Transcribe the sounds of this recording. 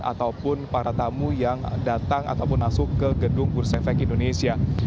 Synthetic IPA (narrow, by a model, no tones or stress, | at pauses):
a̰t̪awpʊnpaɾat̪amujaŋdat̪aŋa̰t̪awpʊnmasʊkːəɡədʊŋbʊrsɛfɛkindonesia